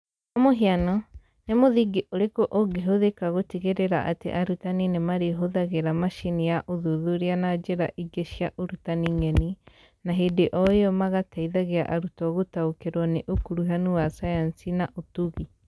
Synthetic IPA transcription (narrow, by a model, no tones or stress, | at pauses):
omoɦianɔ | nemoðiɡiʔoɾekoʔoɡeɦoðekaɣotiɣeɾeɾaʔa̰tḛʔaɾutaninemaɾeɦoðaɣeɾamaʃinijaʔoðuðuɾeanad͡ʒeɾa̰ʔiɡeʃjaʔoɾutaniŋɛni | naɦedeʔɔeɔmaɣataiðaɣeaʔaɾutɔɣotaokeɾwɔneʔokuɾuɦanuwasajansinaʔotuɣi